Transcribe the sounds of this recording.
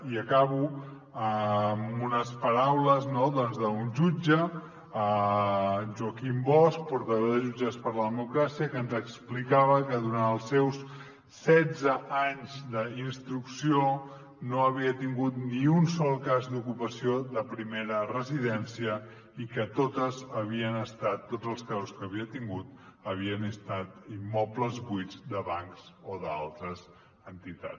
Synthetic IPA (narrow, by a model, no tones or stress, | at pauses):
iəkaβu | əmunəspəɾawləznoðɔnzðəunʒud͡ʒə | ə | ʒuəkimbɔsk̚puɾt̪əðoðəʒud͡ʒəspəɾləðəmukɾasiəkənzəksplikaβəkəðuɾanəlˠsːɛws | sɛd͡zəaɲzd̪əinst̪ɾuksio | noəβiət̪iŋɡut̪niunsɔlˠkazd̪ukupəsioðəpɾimeɾərəziðɛnsiə | ikət̪ot̪əzəβiənəst̪at̪ːod͡zəlˠskazuskəβiət̪iŋɡut̪əβiənəst̪at̪imːɔpləzβujd͡zd̪əβaŋkzoða̰lˠt̪ɾəz | ənt̪it̪a̰t͡s